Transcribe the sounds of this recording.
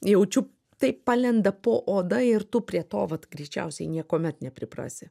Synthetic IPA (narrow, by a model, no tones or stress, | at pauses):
jɛʊt͡ʃʲʊ | t̪ɐɪppɑlʲɛnd̪ɐpoːʔoːd̪ɐɪrt̪ʊpʲɾʲiɛt̪o̰ːʋɐt̪ɡɾʲɛɪt͡ʃʲɛ̰ʊsʲɛɪnʲiɛkoːmʲɛt̪nʲɛpʲɾʲɪpɾɑ̰ːsʲɪ